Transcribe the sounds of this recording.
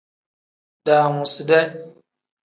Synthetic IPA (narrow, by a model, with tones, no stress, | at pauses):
da˨ŋu˨si˨de˦